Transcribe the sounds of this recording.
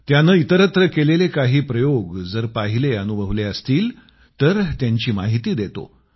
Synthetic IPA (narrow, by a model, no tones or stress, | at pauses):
t̪janəːit̪əɾət̪ɾəkelelekaɦiːpɾəjoɡd͡zəɾpaɦileənubʱəʋleəst̪iːl | t̪əɾt̪jaɲt͡ɕiːma̰ɦit̪iːd̪et̪o̰